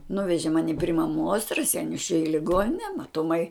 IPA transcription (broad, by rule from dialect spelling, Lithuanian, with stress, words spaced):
ˈnʊʋʲɛʒʲɪ ˈmɑːnʲɪ pʲrʲɪ mɐˈmuɔs rɐˈsʲɛɪnʲʊs t͡ʃʲɛ ɪ lʲɪˈɡoːnʲɪnʲɛ mɐtʊˈmɐɪ